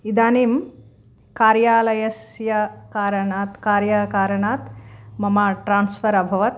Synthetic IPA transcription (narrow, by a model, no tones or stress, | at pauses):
id̪aːniːm | kaːɾjaːlɐjɐsjɐkaːɾɐɳaːt̪kaːɾjɐkaːɾɐɳaːt̪mɐmaːʈɾaːnsfɐɾɐbʱɐʋɐt̪̚